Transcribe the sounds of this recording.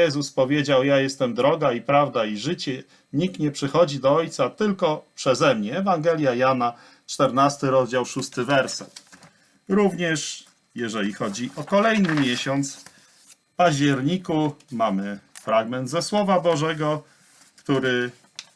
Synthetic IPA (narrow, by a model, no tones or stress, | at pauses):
jɛzuspɔvʲjed͡ʑawjajɛst̪ɛmd̪ɾɔɡaipɾavd̪aiʐɘt͡ɕɛ | ɲik̚t̪ɲɛpʂɘxɔd͡ʑid̪ɔɔjt̪sat̪ɘlkɔpʂɛzɛmɲɛːvaŋɡɛlʲjajana | t͡ʂt̪ɛɾnast̪ɘɾɔzd͡ʑawʂust̪ɘvɛɾsɛt̪ | ɾuvɲɛʂ | jɛʐɛlʲixɔd͡ʑiʔɔkɔlɛjnɘmʲjɛɕɔnt̪s | paʑd͡ʑɛɾɲikumamɘfɾaɡmɛnd̪zɛswɔvabɔʐɛɡɔ | kt̪uɾɘ